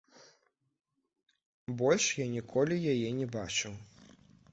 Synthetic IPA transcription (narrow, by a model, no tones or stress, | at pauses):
bɔlʲʂjanʲikʰɔlʲijajɛnʲɛbat͡ʂɨw